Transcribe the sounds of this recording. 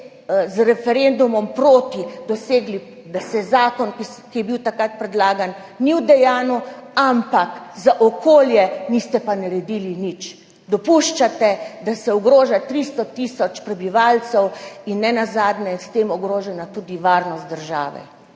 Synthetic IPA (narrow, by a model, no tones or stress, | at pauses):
zɾɛfɛɾend̪umɔmpɾoːt̪id̪ɔseːɡli | d̪asɛzaːkɔnkikijɛbiwt̪akɾat̪̚pɾɛd̪laːɡan | niwd̪ɛjaːnuampakzaʔɔkoːljɛnist̪ɛpanaɾɛd̪ilinit͡ʃ | d̪ɔpuʃt͡ʃat̪ɛd̪asɛɔɡɾoːʒat̪ɾist̪ɔt̪isɔt͡ʃpɾɛbiʋalt͡ssɛwinːɛnazaːd̪nɛst̪eːmɔɡɾoːʒɛnat̪ud̪iʋaːɾnɔst̪̚d̪əɾʒa̰ːʋɛ̰